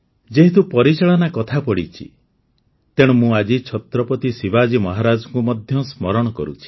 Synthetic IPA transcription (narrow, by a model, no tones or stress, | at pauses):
d͡ʒeɦit̪upɔɾit͡ʃaɭɔnakɔt̪ʰapɔɽit͡ʃʰḭ | t̪eɽ̃ɔmũad͡ʒit͡ʃʰɔt̪ɾɔpɔt̪isibad͡ʒimɔɦaɾad͡ʒɔŋkumɔd̪ʱjɔsmɔɾɔɽ̃ɔkɔɾṵt͡ʃʰi̥